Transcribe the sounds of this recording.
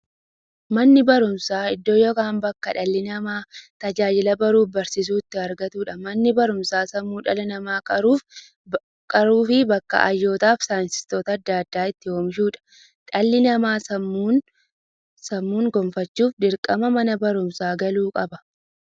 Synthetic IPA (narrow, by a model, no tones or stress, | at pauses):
mɐnːɪbɐɾʊmsaːɪd̪ːoːjɔkaːmbɐkːɐᶑɐlːɪnɐmaːt̪ɐd͡ʒaːd͡ʒɪlɐbɐɾuːfbɐɾsɪs̬uːɪt̪ːɪɐɾɡɐt̪uːᶑɐmɐnːɪbɐɾʊmsaːsɐmːuːᶑɐlɐnɐmaːkʼɐɾuːf | kʼɐɾuːfɪbɐkːɐ̰ʔɐjːo̞ːt̪aːfsaːnsɪ̥st̪oːt̪ɐːd̪ːaːɐd̪ːaːɪt̪ːɪhoːmɪʃuːᶑɐ̥ | ᶑɐlːɪnɐmaːsɐmːuːn | sɐmːuːŋɡɔmfɐt͡ʃːuːfd̪ɪɾkʼɐmɐmɐnɐbɐɾʊmsaːɡɐluːkʼɐbɐ̥